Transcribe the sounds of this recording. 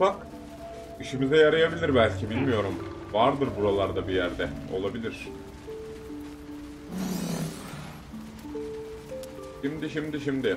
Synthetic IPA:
fak | iʃimizɛjaɾajabilʲiɾbælʲcʰibilʲmijo̞ɾum | vaɾd̪ɯɾbuɾalˠaɾd̪abijæɾd̪ɛo̞̰lˠabilʲiɾ̥ | ʃimd̪iʃimd̪iʃimd̪ɪ

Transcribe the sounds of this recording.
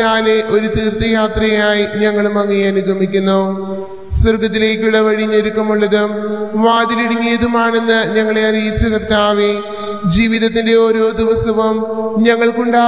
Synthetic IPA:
naːleʔo̞ɾut̪iːrt̪ɐjaːt̪rɐjaːjiɲɐŋːɐɭumɐŋːijɐnuɡʱɐmikʲːunːu | sɐrɡɐt̪̬ːile̞ːkʲːuɭːɐʋɐɻiɲːoɾukːɐmuɭːɐðumʋaːd̪iliɽiŋːijɐðumaːɳe̞nːɨɲɐŋːɐɭe̞ɐrijit͡ɕːukrt̪aːʋe | d͡ʑiːʋiðɐt̪ːinde̞o̞ːɾo̞ːd̪iʋɐsɐʋɐmɲɐŋːɐɭkuɳɖaː

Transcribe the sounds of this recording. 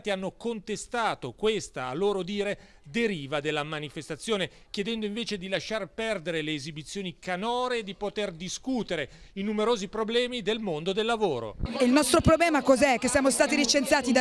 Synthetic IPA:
t̪ianːokont̪est̪aːt̪okwest̪a̰ːlːoːɾod̪iːɾe | d̪eɾiːvad̪elːamanifest̪at̪sːjoːne | kjed̪ɛnd̪oiɱveːt͡ʃed̪ilaʃːarpɛrd̪eɾeleːzibit̪sːjoːnikanɔːɾeːd̪ipot̪erd̪iskut̪eɾeinumeɾoːzipɾoblɛːmid̪elmond̪od̪elːavoːɾo̰eilnɔst̪ɾopɾoblɛːmakɔzɛkːesːjaːmost̪aːt̪iɾit͡ʃent̪jaːt̪id̪a

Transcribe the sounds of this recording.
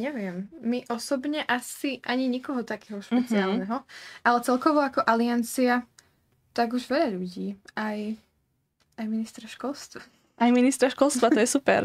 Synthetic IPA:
ɲɛʋɪɛmːiʔɔsɔbɲɛʔasiʔaɲiɲikɔɦɔt̪akɛːɦɔʃpɛt͡siaːlnɛɦɔʔalɛt͡sɛlkɔʋɔakɔʔaliant͡sia | t̪aɡuʒʋɛʎaʎuɟiːaj | ajminist̪ɾaʃkɔlst̪ʋa | ʔajminist̪ɾaʃkɔlst̪ʋat̪ɔjɛsupɛ̰ɾ

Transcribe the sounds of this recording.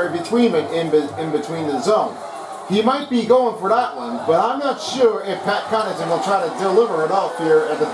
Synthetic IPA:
ɹibɨtʰw̥ĩnɨ̃ɾɪ̃nbɨɨ̃nbɨtʰw̥ĩnðɨzõʊ̃n | imaɪt̚b̥iɡoʊɪ̃ŋfə˞ðæʔ̚wʌ̃nbʌɾãɪ̃mnətʃʊɹɪfpʰæt̚kʰɑnɨ̃zɨ̃nwəl̩ˠtʰɹ̥aɪɾɨdəlɪvə˞ɨɾɔlˠfhɪɹɨt̪̚ðɨ

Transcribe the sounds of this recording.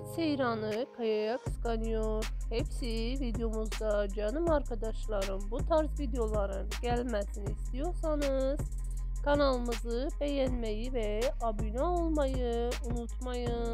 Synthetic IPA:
sejɾɑnɯkʰajɑjɑkskanijoɾhepsivid̪ejo̞muzd̪ɑd͡ʒɑnumɑɾkʰɑd̪ɑʃlˠɑɾɯnbut̪ʰɑɾzvid̪ejo̞lˠɑɾɯnɟælʲmæsiniːst̪ijo̞ɾsɑnɯz̥ | kʰɑnɑlˠɯmɯzɯbejænmæjivɛabynaolˠmɑjɯ | unut̪ʰmɑjɯ

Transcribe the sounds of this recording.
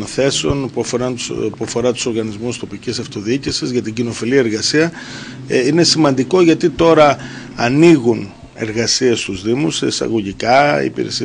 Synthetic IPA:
nθe̞seo̞npuɐfoɾɐnpuɐfo̞ɾɐt̪u̥so̞ɾɣɐnizmust̪o̞picisɐft̪o̞ðiicisizʝɐt̪iɟino̞filiɐeɾɣɐsiɐ | ine̞simɐnd̪iko̞ʝɐt̪it̪o̞ɾɐː | niɣun | e̞ɾɣɐsie̞st̪uzðimuseisɐ̰ɣo̞ʝikɐḭpḭɾe̞̰si

